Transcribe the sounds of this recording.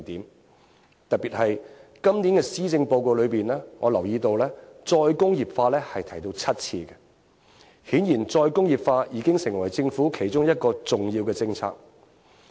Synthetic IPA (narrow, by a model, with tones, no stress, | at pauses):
t̪iː˨˥m | t̪ɐ˨t̚piː˨t̚hɐ˨jkɐ˥mniː˨˥nkɛː˧siː˥t͡sɪ˧ŋpo˧wko˨˧wlɵ˨˧piː˨nlɛː˥ŋɔː˨˧lɐ˨˩wjiː˧t̪o˧wlɛː˥t͡sɔː˧jkʊ˥ŋjiː˨˩p̚faː˧lɛː˥hɐ˨jt̪ʰɐ˨˩jt̪o˧wt͡sʰɐ˥t̚t͡sʰḭː˧ɡɛ˧ | hiː˨˥njiː˨˩nt͡sɔː˧jkʊ˥ŋji˨p̚faː˧jiː˨˧˥kɪ˥ŋsɪ˨˩ŋwɐ˨˩jt͡sɪ˧ŋfuː˨˥kʰe˨˩jt͡ʃʊ˥ŋjɐ˥t̚kɔː˧t͡sʊ˨ŋjiː˧wkɛː˧t͡sɪ˧ŋt͡sʰa̰ː˧k̚